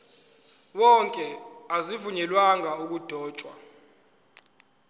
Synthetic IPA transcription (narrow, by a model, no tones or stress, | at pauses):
wɔŋkʼɛazivuɲɛlwaŋauk̬ud̥ʱɔːt͡ʃʼwa